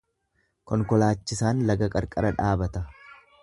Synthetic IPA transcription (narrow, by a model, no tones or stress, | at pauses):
kɔŋkɔlaːt͡ʃːɪsaːnlɐɡɐkʼɐɾkʼɐɾɐᶑaːbɐt̪ɐ